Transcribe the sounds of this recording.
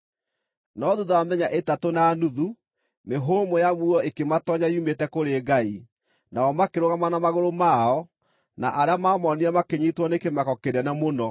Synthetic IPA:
nɔðuðaamɛɲaʔetatonanuðu | meɦoːmojamuɔekematɔɲaiumetɛkoɾeːɡai | naɔmakeɾoɣamanamaɣoɾomaɔ | naʔaɾeamaːmɔniamakeɲitwɔnekemakɔkeɾɛnamonɔ

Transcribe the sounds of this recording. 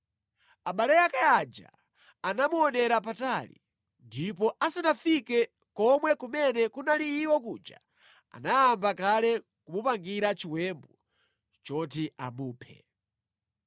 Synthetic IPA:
aɓalɛjakajad͡ʒa̰ | anamuɔnɛɾap̬atalḭ | ndipɔʔasanafikɛ | kɔmwɛkumɛnɛkunaliːwɔkuːd͡ʒa̰ | a̰najambakalɛ | kumupaŋɡiɾat͡ʃiwɛmbu | t͡ʃɔtia̰muːpʰɛ̰

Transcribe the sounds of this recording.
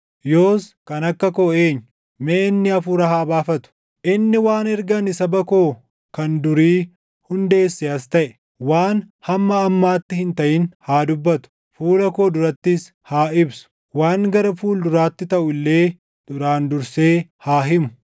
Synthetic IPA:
jo̞ːskɐnɐkːɐkoːeːɲːʊ | meːnːɪɐfʊɾɐɦaːbaːfɐt̪ʊ̥ | ʔɪnːɪwaːnɛɾɡɐnɪsɐbɐko̞ː | kɐnd̪ʊɾiː | hʊnd̪e̞ːsːeɐst̪ɐʔɛ | waːn | hɐmːɐːmːaːt̪ːɪhɪnt̪ɐʔɪnhaːd̪ʊbːɐt̪ʊ̥ | fuːlɐko̞ːd̪ʊɾɐt̪ːɪs | haːɪbsʊ̥ | waːŋɡɐɾɐfuːld̪ʊɾaːt̪ːɪt̪ɐʔʊɪlːe̞ː | d̪̥ʊɾaːnd̪ʊɾse̞ːhaːɦɪmʊ̥

